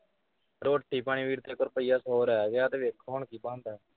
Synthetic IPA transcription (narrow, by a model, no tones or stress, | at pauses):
ɾoːʈʰːiːpaːɳ̃iːʋiːɾt̪eːkoɾpəiːaːsoːɾɛːɡjaːd̪eʋekʰːoːɳkiːbãːnd̪ɛː